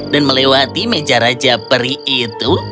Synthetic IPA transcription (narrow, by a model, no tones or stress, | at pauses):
danməlewat̪imed͡ʒaɾad͡ʒapəɾiit̪u